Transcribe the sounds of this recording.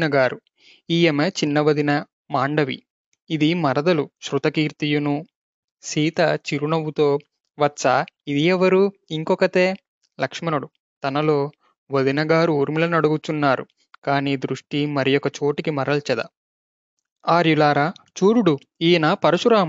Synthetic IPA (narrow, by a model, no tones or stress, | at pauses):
nɐɡaːɾu | iːjemet͡ʃinːɐʋɐd̪inɐ | maːɳɖɐʋḭː | d̪imɐɾɐd̪ɐluʃɾut̪ɐkiːɾt̪ijunu | siːt̪ɐt͡ʃiɾunɐʋut̪o̞ː | ʋɐtːsaid̪iɛʋɐɾuiŋkɔkɐʈe̞ː | lɐkʂmɐnuɽu | t̪ɐnɐlo̞ː | ʋɐd̪inɐɡaːɾuuɾmilɐnɐɽuɡut͡ʃunːaːɾṵ | kaːniːd̪ɾuʂʈimɐɾijɔkːɐt͡ʃo̞ːʈikimɐɾɐlt͡ʃɐd̪ɐ̰ | aːɾjulaːɾaːt͡ʃuːɾuɽu | iːnapɐɾɐʃuɾaːm